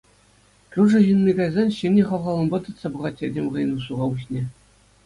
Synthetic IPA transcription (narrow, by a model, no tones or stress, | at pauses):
kʲuʐɘ̆ʑɯnmʲiɡɑjzɑnʲɕɘeχɑʋʁɑlˠɤ̆nbɑt̪ɯ̆t̪sɑbɤ̆ʁɑt̪ʲːedʲemʲʁɤ̆j̆nuʂuʁɑuɕnʲe